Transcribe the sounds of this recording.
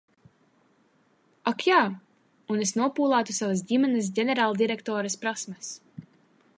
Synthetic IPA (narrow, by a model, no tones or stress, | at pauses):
akjaː | unesnuɔpuːlˠaːt̪usavas̬ɟimɛnɛs̬ɟʲenʲɛɾaːlˠd̪iɾɛkt̪ɔːɾɐspɾasmɐs